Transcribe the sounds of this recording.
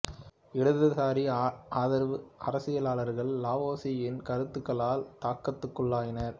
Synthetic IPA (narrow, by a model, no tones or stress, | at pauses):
ɪɽɯðɯsaːɾiaːðɐɾʋɯʔɐɾɐsɪjɐlaːlɐɾɣɐɭːaːʋoːsijɪnkɐɾɯt̪ːɯkːɐɭaːlt̪aːkːɐt̪ːɯkːɯɭːaːjɪnɐɾ